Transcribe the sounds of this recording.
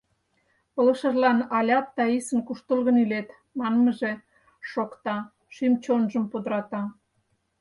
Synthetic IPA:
polə̆ʃə̆ʒlɑnɑlʲɑt̪ːɑisə̆nkuʃt̪əlɣənylet̪ | mɑnməʒe | ʃokt̪ɑ | ʃymt͡ɕonʒəmpod̪əɾɑt̪ɑ

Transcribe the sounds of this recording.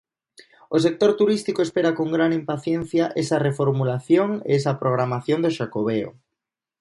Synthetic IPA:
osek̚t̪oɾt̪uɾist̪ikoespeɾakoŋɡɾanimpaθjenθjaʔesɐrefoɾmulaθjoŋḛes̬ɐpɾoɣ̞ɾamaθjond̪oʃakoβeo̰

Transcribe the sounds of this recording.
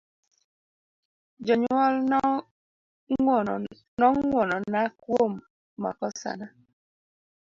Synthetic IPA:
d͡ʒɔɲɔl | nɔŋwɔnɔnakwomː | a̰kɔsa̰na

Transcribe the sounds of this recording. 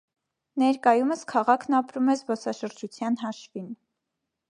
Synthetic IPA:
nɛɾkɑjuməskʰɑʁɑkʰnɑpɾumɛzbɔsɑʃəɾd͡ʒut͡sʰjɑnɦɑʃvin

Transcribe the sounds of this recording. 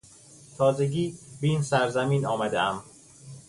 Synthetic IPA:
t̪ʰɒːzeɟiːbeiːnsæɾzæmiːnɒːmæd̪ḛʔæm

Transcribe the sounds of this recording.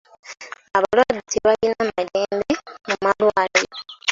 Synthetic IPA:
aβalwaditiβalinamaleːndemumalwaːlajo

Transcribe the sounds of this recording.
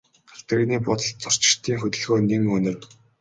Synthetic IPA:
χaɬt̪ə̆ɣniːpʊt̪ə̆ɮt͡sʰʊr̥t͡ɕɪ̥̆t̪ʰiːŋxɵt̪ɵ̆ɮɣoːneŋɵnɘ̆r

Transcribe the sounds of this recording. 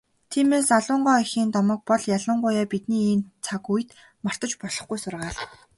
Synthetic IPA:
t̪ʰiːmeːsaɮʊːɴɢɔːixiːnt̪ɔmɞ̆k̚pɔɮjaɮʊːɴɢʊːjaːpit̪niːiːnt͡sʰakujt̪ | mar̥t̪ə̆t͡ɕpɔɮ̥ɞ̆χɡujsʊrʁaːɮ

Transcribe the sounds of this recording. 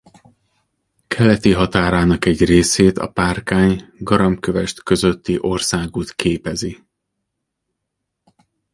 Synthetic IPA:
kʰɛlɛt̪iɦɒt̪aːɾaːnɒkɛɟreːseːt̪ɒ̰paːrkaːɲɡɒɾɒmkøvɛʃt̪kø̞zøt̪ːiʔo̞rsaːɡut̪keːpɛzi

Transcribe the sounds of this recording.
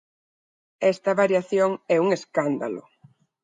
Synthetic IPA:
ɛst̪ɐβaɾjaθjoŋɛuŋeskand̪a̰lʊ̰

